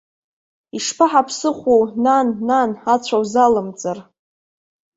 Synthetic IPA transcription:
iʂpʰaħapʰsɨχʷuwnanːanat͡ɕʷʰawzalɨmt͡sʼar

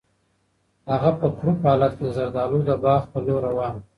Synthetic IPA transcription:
haɣapəxɾupɑlat̪keəzaɾd̪ɑlud̪əbɑxpəloɾawɑn

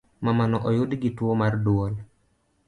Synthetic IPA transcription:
mamanɔʔɔjʊdɡitwomardwol

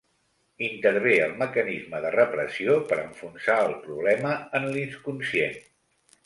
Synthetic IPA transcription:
int̪əɾβeəlˠməkənizməðərəpɾəsiopəɾəɱfunsaəlˠpɾuβlɛməənlinskunsien

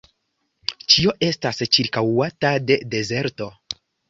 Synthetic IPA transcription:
t͡ʃio̞ʔe̞stast͡ʃiɾkawatade̞de̞ze̞ɾto̞

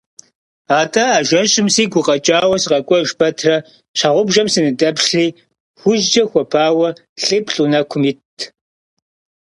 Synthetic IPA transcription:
aːtʼɐaːʒʷɐɕʼɪmsiːɡʷʊqʼɐt͡ʃʼaːwɐsɨqʼɐkʷʼɔʒbɐtʰrɐ | ɕaʁʷʊbʒɐmsɨnɨdʼɐpʂɬiː | xʷʊʒd͡ʒɐxʷɔpʰaːwɐ | ɬʼɨpɬʼunɐkʷʰʊmitʰː

